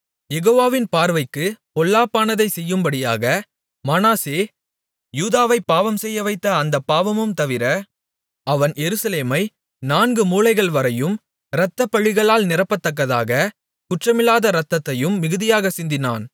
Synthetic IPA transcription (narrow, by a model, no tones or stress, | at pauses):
jɛɣoːʋaːʋɪnpaːɾʋɐɪkːɯpɔlːaːpːaːnɐðɐɪsɛjːɯmbɐɽɪjaːɣɐ | mɐnaːseː | juːðaːʋɐɪpːaːʋɐmsɛjːɐʋɐɪt̪ːɐɐnd̪ɐpːaːʋɐmɯmt̪ɐʋɪɾɐ | ɐʋɐnjɛɾɯsɐleːmɐɪ | naːnɡɯmuːlɐɪɣɐɭʋɐɾɐjɯm | ɾɐt̪ːɐpːɐɻɪɣɐɭaːlnɪɾɐpːɐt̪ːɐk̬ːɐðaːɣɐ | kʊʈrɐmɪlːaːðɐɾɐt̪ːɐt̪ːɐjɯmːɪɣɯðɪjaːɣɐsɪnd̪ɪna̰ːn